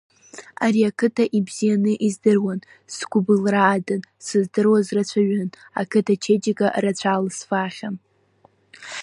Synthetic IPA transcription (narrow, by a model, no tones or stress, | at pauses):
aɾiakʰɨtʰaʔibz̥ijanɨʔizdɨrwan | sɡʷʊbɨlraːdɨnsɨzdɨrwazrat͡ɕʷʰaɥan | a̰kʰɨtʰat͡ʃʰed͡ʒɪɡaʔɾat͡ɕʷʰalsfaχʲan